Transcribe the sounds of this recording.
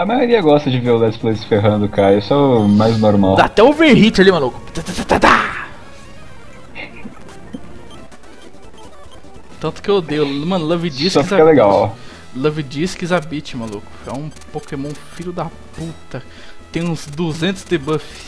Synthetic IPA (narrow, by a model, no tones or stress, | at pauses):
ɐmajoɾiɐɡɔst̪ɐd͡ʒɪveɾʊlɛsplezfeɦɐ̃d̪ʊkaɾɐisʊɛʊmajznoɾmawd̪aat̪ɛʊveɦit͡ʃalimalukʊ̥t̪at̪at̪at̪at̪a | t̪ɐ̃nt̪ʊ̥kɪeod̪ejʊmɐ̃nʊlɐvid͡ʒissɔfiakɐɛleɡaw | lɐvid͡ʒiskizabit͡ʃɪmalukʊ̥ɛ̰ũpokemõw̃fiʎʊd̪ɐput̪ɐ | t̪ẽj̃ũzd̪uzẽnt̪ʊzd̪ebɐfiɪ̥s